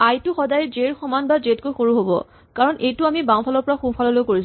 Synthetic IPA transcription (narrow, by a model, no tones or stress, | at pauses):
ajtʊxɔdajzeɹxɔmanbazetkojxoɹuɦobɔ̰ | kaɹɔnʔejtʊamibãw̃pʰalɔɹpɔɹaxupʰalɔlojkoɹis